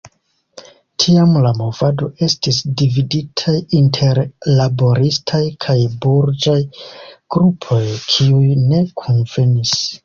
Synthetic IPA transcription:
tʰiamlamo̞vado̞ʔe̞stisdividitʰajintʰe̞ɾlabo̞ɾistʰajkʰajbuɾd͡ʒajɡ̥ɾupʰo̞jkʰiujne̞kʰo̞nve̞nis

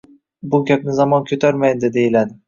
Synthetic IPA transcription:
bʊɡʲap̚nɪzamɒnkʲʰɵt̪ʰaɾmajd̪ɪd̪e̞jilad̪ɪ

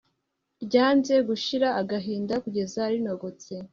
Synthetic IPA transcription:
bɟaːnze̞ɡuʃiɾaːɡaɦiːndakuɟe̞zaɾino̞ɡo̞t͡se̞

